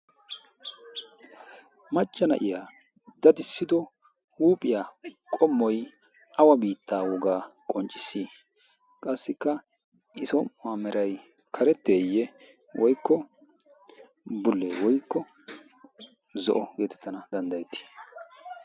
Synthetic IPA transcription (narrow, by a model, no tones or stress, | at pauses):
mɐt͡ʃʼːɐnɐ̰ʔɪjaː | d̪̥ɐd̪ɪsːɪd̪ɔ | huːpʼɪjaːkʼɔmːɔj | ʔɐwɐbiːt̪ʰːaːwɔɡaːkʼɔnt͡ʃʼɪsi | kʼɐsːɪkːɐ | ʔɪsɔmʊamɛɾɐj | kʰɐɾɛt̪ːeːjːɛ | wʔɔjkːɔ | bʊlːewɔjkːɔ | zɔ̰ʔɔɡe̞ːt̪ɛ̥t̪ːɐnɐd̪ɐnd̪ɐjɛt̪ːɪ̥